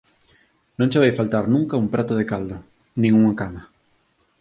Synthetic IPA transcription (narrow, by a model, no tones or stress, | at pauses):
nõŋt͡ʃɪβajfalt̪aɾnũŋkaumpɾat̪ʊð̞ekald̪o | nĩŋuŋakama